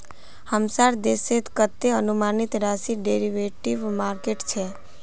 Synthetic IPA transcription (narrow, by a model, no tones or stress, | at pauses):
həmsaɾd̪eset̪kət̪ːeənumanit̪ɾasiɖeɾiʋeʈiʋmaɾkeʈt͡ʃʰe